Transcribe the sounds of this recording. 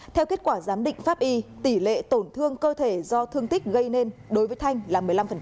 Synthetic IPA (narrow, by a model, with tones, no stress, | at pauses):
t̪ʰɛ˧wke˦˥t̚kwaː˧˩zaː˨˦mɗḭ̈˧˨ŋ̟faː˦˥p̚ʔi˧t̪i˧˩lḛ˧˨t̪o˧˩nt̪ʰɨ˧əŋkəː˧t̪ʰe˧˩zɔ˧t̪ʰɨ˧əŋt̪ï˦˥k̟̚ɣə˧jne˧nɗo˨˦jvəː˨˦jt̪ʰa˧jŋ̟laː˨˩mɨ˨˩əjla˧mfə˨˩˦